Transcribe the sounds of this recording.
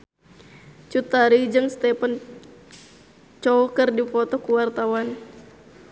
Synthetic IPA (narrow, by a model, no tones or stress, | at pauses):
t͡ʃut̪aɾid͡ʒɨŋst̪ɛpən | t͡ʃɔkərdifɔt̪ɔkuwart̪awan